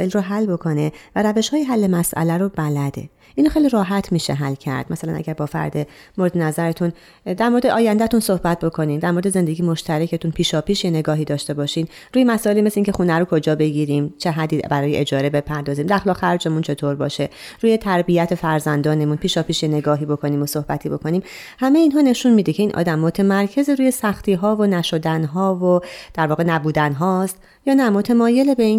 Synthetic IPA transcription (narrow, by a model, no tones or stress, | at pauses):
ʔelroɦælːbo̞kʰo̞nevæɾæve̞ʃhɒːjeɦælːe̞mæsʔæ̰læɾobælæd̪ḛ | ʔiːnoxejliɾɒːɦæt̪ʰmiːʃeɦælcʰæ̰ɾd̪̚mæsælæ̰næ̰ɟæɾbɒːfæ̰ɾd̪emo̞ɾed̪e̞næzæɾet̪ʰun | d̪æɾmo̞ɾed̪eʔɒːjænd̪æt̪unso̞hbæt̪̚ʰbo̞kʰo̞niːmd̪æɾmo̞ɾed̪eze̞nd̪e̞ɟijemo̞ʃt̪ʰæɾecʰet̪unpʰiːʃɒːpʰiːʃjene̞ɡɒːɦiːd̪ɒːʃt̪e̞bɒːʃiːn | ɾuːjemæsɒːʔelimesleiŋcʰe̞xunæɾokʰo̞d͡ʒɒːbe̞ɟiɾiːmt͡ʃʰe̞ɦæd̪ibæɾɒːjeʔed͡ʒɒːɾe̞be̞pʰæɾd̪ɒːziːmd̪æxlɒːxæɾd͡ʒe̞munt͡ʃʰe̞t̪ʰoɾbɒːʃe̞ɾuːjet̪ʰæɾbijæt̪ʰe̞fæɾzænd̪ɒːne̞munpʰiːʃɒːpiːʃje̞ne̞ɡɒːɦiːbo̞kʰo̞niːmoso̞hbæt̪ʰiːbo̞kʰo̞niːm | hæmeiːnɦɒːne̞ʃunmiːd̪ecʰe̞iːnʔɒ̰ːd̪æmːo̞t̪ʰe̞mæɾcʰe̞zeɾuːje̞sæxt̪ʰiːɦɒːvonæʃo̞d̪ænɦɒːvod̪̥æɾvɒːɣenæbuːd̪ænɦɒːst̪ | jɒːnæmo̞t̪ʰemɒːje̞lebei